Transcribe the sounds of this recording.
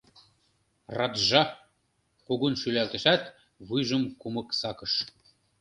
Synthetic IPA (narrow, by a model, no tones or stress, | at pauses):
rɑt̪ʒɑ | kuɣunʃylælt̪ə̆ʃæt̪ | βujʒə̆mkumɤ̆ksɑkɤ̆ʃ